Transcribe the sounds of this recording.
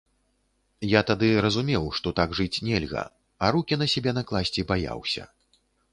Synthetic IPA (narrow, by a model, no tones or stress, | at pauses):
jat̪ad̪ɨɾɐzumʲɛwʂt̪ɔt̪aɡʐɨt͡sʲnʲɛlʲɣɐ̰ | aɾukʲinɐsʲɛbʲɛnɐklˠasʲt͡sʲibaja̰wsʲɐ̰